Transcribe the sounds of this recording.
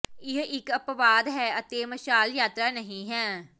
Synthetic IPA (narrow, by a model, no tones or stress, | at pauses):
ɪɦɪkəpʋaːd̪ɦɛːət̪eːməʃaːljaːt̪ɾaːnəɦĩːɦɛ̃ː